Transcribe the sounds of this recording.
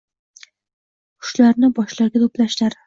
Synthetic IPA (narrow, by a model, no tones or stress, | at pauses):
qʰʊ̥ʃlaɾnɪbɒʃlˠɑɾɡʲat̪ʰoplaʃlaɾ